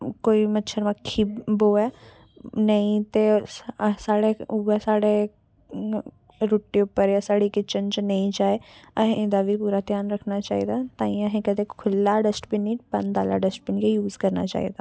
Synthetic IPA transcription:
koːimətːʃʰəɾmãkʰːiboɛː | nəĩt̪eː | saːɽeuəsaːɽe | ɾoːʈːiʊpːəɾjaːsaːɽikɪt͡ʃənt͡ʃnəĩd͡ʒaːeəɦẽd̪aːʋipuːɾaːt̪jaːnɾəkʰnaːt͡ʃa̰ːḭd̪aːt̪ãːĩːəɦẽkəd̪eːkʰʊlːaːɖəsʈbinĩːbənd̪aːla̰ːɖəsʈ̚binːkejuːzkəɾna̰ːt͡ʃa̰ːḭd̪aː

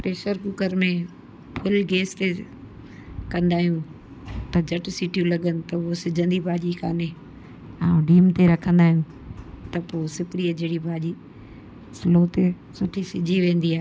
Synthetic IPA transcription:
pɾeːʃəɾkuːkəɾmẽ | pʰʊlɡeːst̪e | kɐ̃nd̪aːɦijũ | t̪ɐd͡ʑɐʈɪsiːʈijũlɐɠənɪ̆t̪ɐosɪd͡ʑʱə̃nd̪ibʱaːd͡ʑikaːne | ãːɖiːmt̪eɾɐkʰə̃nd̪aːɦijũ | t̪ɐpoːsɪkɪɽiəd͡ʑeːɽibʱaːʄi | sɪloːt̪e | sʊʈʰisɪd͡ʑʱiʋẽːn̆d̪iaːɦ

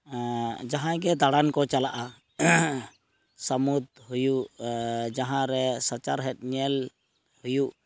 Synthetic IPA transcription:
d͡ʒaɦãɡɛd̪aɽankɔt͡ʃalaʔa | səmud̪hujuʔd͡ʒaɦãɾɛsat͡ʃaɾɦɛt̪̚ˀɲɛl | hujuʔ

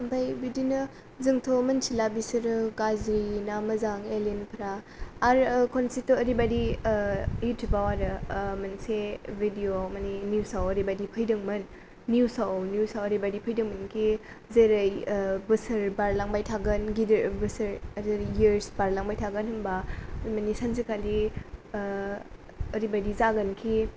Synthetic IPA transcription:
ɐmpʰajbidinɐ | zɯŋtʰomɐnsʰilabisɐɾɡazɾinamɐzaŋelenpʰɾaːɾkʰonsitːuɐɾibadi | jutʰjubawadɯmɐnsebʱidiomaninjusawɐɾibadipʰəjdɯŋmɐnː | jusawnjusawɐɾibadipʰəjdɯŋmənkʰi | zeɾɐjbɐsɐɾbaɾlaŋbajtʰaɡənɡidɾbəsɐɾɐdɾjɾsbaɾlaŋbajtʰaɡənhɯmbamanisanzikali | ɐɾibadizaɡɐnkʰi

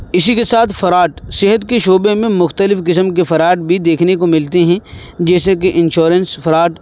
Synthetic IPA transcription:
ɪsikesaːt̪ʰfɐɾaːʈsɪɦət̪keʃoːbemẽmʊxt̪əlɪfkɪs̬əmkefɐɾaːʈ̚bʱid̪eːkʰnekomɪlt̪eɦɛ̃ | d͡ʒɛːsek̬eʔɪ̃nʃoːɾə̃nsfɐɾaːʈ

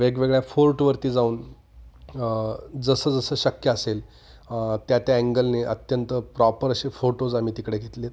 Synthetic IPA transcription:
ʋeɡʋeɡɭjafoɾʈʋəɾt̪iːd͡zauːn | d͡zəsəːd͡zəsəːɕəkjəːsel | t̪jat̪jaæŋɡəlneʔə̰t̪jənt̪əpɾɔpəɾəɕefoʈod͡zam̤iːt̪ikɽeɡʱet̪let̪

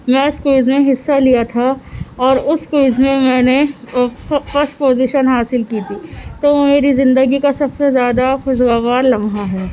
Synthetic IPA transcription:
mɛ̃ːɪskuːzmẽɦɪsːalijat̪ʰaɔːɾʊskuːzmẽmɛ̃ːne | fɐɾsʈpoːziʃənɦaːsɪlkiːt̪ʰiːt̪oːmeːɾizɪ̃nd̪əɡikasɐbsezjaːd̪axʊzɡaːʋaːɾlɐmɦaɦɛː

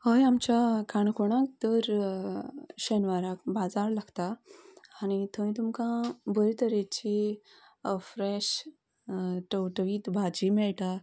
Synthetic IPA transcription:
həjamt͡ɕakʰaɳkʰoɽ̃ãk̚t̪əɾ | ɕənʋaɾakbad͡zaɾlaɡt̪aː | ñit̪ʰəʋĩt̪umkãbəɾit̪əɾet͡ɕi | əfɾɛɕ | ʈəwʈəʋiːt̪bʱad͡ʑimɛɭʈa

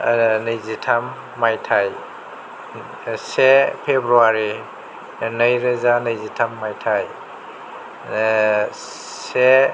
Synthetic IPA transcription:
nɐjzitʰamː | ajtʰaj | sepʰebɾuaɾi | nɐjɾɐzanɐjzitʰamːajtʰaj | se

